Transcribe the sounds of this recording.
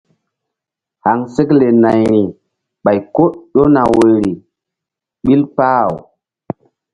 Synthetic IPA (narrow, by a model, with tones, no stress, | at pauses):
ha˨ŋse˦kle˨na˨jɾi˨ | ɓa˨jko˦ɗo˦na˨we˨ɾi˨ | ɓi˦lpa˦˨w